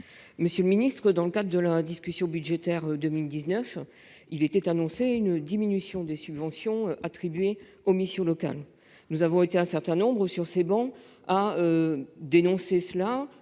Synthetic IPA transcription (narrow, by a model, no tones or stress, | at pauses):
məsjələminist̪χəd̪ɑ̃ləkad̪ʁəd̪əlad̪iskʲysjɔ̃byd̪ʒet̪ɛʁd̪əmild̪iznœf | ilet̪ɛt̪anɔ̃seynd̪iminysjɔ̃d̪esybvɑ̃sjɔ̃ʔat̪χibɥe | omisjɔ̃lɔka̰l | nuzavɔ̃et̪eɛ̃sɛʁt̪ɛ̃nɔ̃bʁəsyʁsebɑ̃ | aød̪enɔ̃sesəla